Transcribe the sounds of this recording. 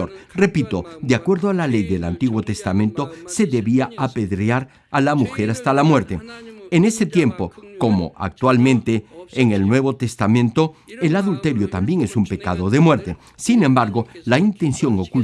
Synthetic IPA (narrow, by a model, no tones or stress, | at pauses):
oɾre̞pit̪o̞d̪eakwe̞ɾðoalale̞jðe̞la̰nt̪iɣwo̞t̪e̞st̪amẽ̞nt̪o̞se̞ðe̞βiaape̞ðɾeaɾ | alamuxe̞ɾast̪alamwe̞ɾt̪e̞ene̞se̞t̪je̞mpo̞ko̞mo̞̰ʔa̰k̚t̪walmẽ̞nt̪eːŋelnwe̞βo̞t̪e̞st̪amẽnt̪o̞elaðult̪e̞ɾjo̞t̪ambje̞ŋe̞sumpe̞kað̞o̞ðe̞mwe̞ɾt̪e̞ | sinembaɾɣo̞laint̪e̞nsjo̞ŋoku